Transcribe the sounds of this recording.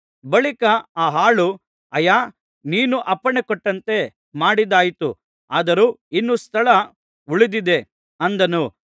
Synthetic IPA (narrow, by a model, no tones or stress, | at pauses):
bɐɭikɐaːɦaːɭu | ɐjaː | niːnuʔɐpːɐɳekɔʈːɐnt̪e̞ | maːɽid̪aːjit̪ṵ | aːd̪ɐɾuːinːust̪ʰɐɭɐ | uɭid̪id̪e̞ | ɐnd̪ɐnu